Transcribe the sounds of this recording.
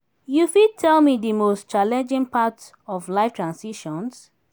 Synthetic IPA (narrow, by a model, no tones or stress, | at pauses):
jufid̚tʰɛlmidimostt͡ʃalɛ̃nd͡ʒĩŋpʰat | ɔvlaɪftʰɹãnsiʃɔ̃ns